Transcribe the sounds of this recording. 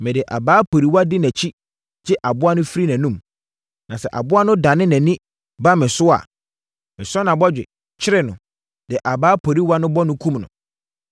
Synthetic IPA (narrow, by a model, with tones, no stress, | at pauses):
mɛ̃˨dɪ˨ʔa˨baː˨˦pʰo˨ɾi˦wa˦dɪ˦nɛ̃˨t͡ɕʰi˦ | d͡ʑɛ˦ʔa˨bʊ˦a˦nʊ̃˦fi˦ɾi˦næ̃˨nũ˦m | nã˨sɛ˨ʔa̰˨bʊ˦a˦nʊ̃˦dã˨nɪ̃˦nɛ̃˨nɪ̃˦ | ba˦mɪ̃˨sʊ˦a̰˨ | mɪ̃˨sʊ˦ɔ˦nã˨bɔ˦d͡ʑᶣɪ̰˨ | t͡ɕʰɪ˦ɾɪ˦nʊ̃˨ | d̥ɪ˨ʔa˨baː˦pʰo˨ɾi˦wa˦nʊ̃˦bɔ˦nʊ̃˦kʰũ˦mnʊ̰̃˨